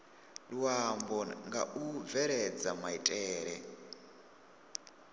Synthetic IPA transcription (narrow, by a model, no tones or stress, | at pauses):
luwambɔŋɡa̰ʔuvɛɾɛd͡zamaitʼɛːɾɛ